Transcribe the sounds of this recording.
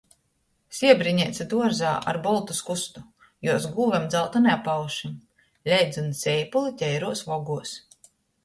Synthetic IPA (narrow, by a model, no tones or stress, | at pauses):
sʲiɛbɾiɲɛt̪sʲad̪uɔɾzaːa̰ɾbɔlˠt̪uskust̪u | juɔzɡuːvʲɛmd̪zalˠt̪unɛapːawʃim | lʲɛjd̪zunsʲɛjpulˠit̪ʲɛjɾuɔsvɔɡuɔs